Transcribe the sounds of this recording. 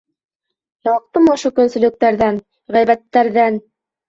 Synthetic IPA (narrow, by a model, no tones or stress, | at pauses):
jɑq̚t̪ɤmɑŏʃokɵ̆nsɵ̆lɵ̆k̚t̪æɾðæn | ʁæjbæt̪ːæɾðæn